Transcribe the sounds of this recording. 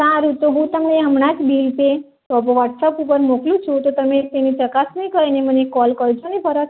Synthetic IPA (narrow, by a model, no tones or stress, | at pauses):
saɾut̪oɡũt̪aməeɦəmɳad͡ʒbilpe | t̪ɔpʋaʈsəpup̬əɾmoklũt͡ʃʰũt̪ot̪əmet̪enit͡ʃəkasnəĩkəɾinemənekɔlkəɾd͡ʒonipəɾət̪